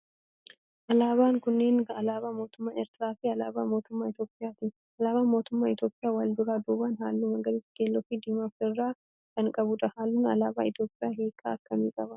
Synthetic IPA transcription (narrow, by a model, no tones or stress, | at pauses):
ʔɐlaːbaːŋkʊnːe̞ːnɐlaːbaːmo̞ːt̪ʊmːaːnɛɾt̪ɪɾaːfɪɐlaːbaːmo̞ːt̪ʊmːaːɪt̪jo̞ːpʼɪjaːt̪iː | ɐlaːbaːmo̞ːt̪ʊmːaːɪt̪jo̞ːpʼɪjaːwɐld̪ʊɾaːd̪uːbanɦa̰ːlːumɐɡɐɾitɡ̥eːlːɔfiːd̪ɪmɐfɪrːaː | kʰɐŋkʼɐbʊᶑ̪ɐhaːlːuːnɐ̰laːba̰ːɪt̪jo̞ːpʼɪjaːɦeːkʼːa̰ːɐkːɐmiːkʼɐbɐ